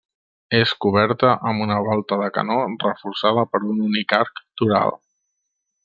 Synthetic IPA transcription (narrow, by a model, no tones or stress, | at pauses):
eskuβ̞ɛɾt̪əʔəmbunəβɔlˠt̪əðəkə̰norəfuɾsað̞əpəɾununikaɾkt̪uɾa̰lˠ